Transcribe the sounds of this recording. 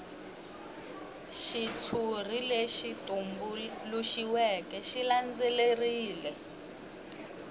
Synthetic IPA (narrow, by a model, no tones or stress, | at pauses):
ʃit͡sʰur̤ileʃitʼumbuluʃiwɛkɛʃiland͡zɛleriːlɛ